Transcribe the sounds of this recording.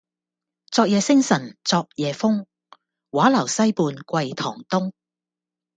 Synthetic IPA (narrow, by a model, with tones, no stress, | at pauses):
t͡sɔː˧k̚jɛː˨˧sɪ˥ŋsɐ˨˩nt͡sɔː˧k̚jɛː˨fʊ˥ŋ | waː˨˥lɐ˨˩wsɐ˥jpuː˧nkʷwɐ˧jt̪ʰɔː˨˩ŋt̪ʊ˥ŋ